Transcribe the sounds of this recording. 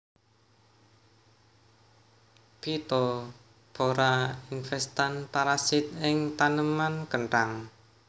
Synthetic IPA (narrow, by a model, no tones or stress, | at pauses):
pit̪ɔ | b̥oɾainfɛst̪anpaɾasɪt̪̚ɪŋt̪anəmankəɳʈaŋ